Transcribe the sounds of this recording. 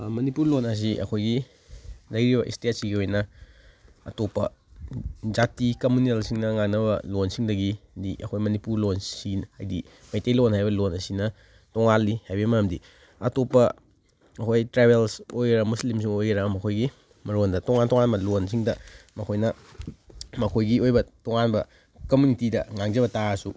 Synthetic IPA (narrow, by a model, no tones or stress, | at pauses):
mɐnipuɾlonɐs̬iʔɐ̰kʰojɡi | nɐjɾibɐʔḭstet̚siɡiojnɐ | ɐ̰topɐ̰ | d͡ʒatikɐmunelsiŋnɐŋaŋnɐbɐ̰lonsiŋdɐɡidiʔɐ̰kʰojmɐnipuɾlonsiha̰jdi | mɐjtejlonhajbɐlonɐsinɐ | toŋalːihajbimɐɐmdi | ɐtopɐ | ɐkʰojtɾebelsojɾɐmuslims̬iŋojɾɐmɐkʰojɡi | mɐɾondɐtoŋantoŋanbɐlonsiŋdɐmɐkʰojnɐ | mɐkʰojɡiojbɐtoŋanbɐ | kɐmjunitidɐ̰ŋaŋzɐbɐtasu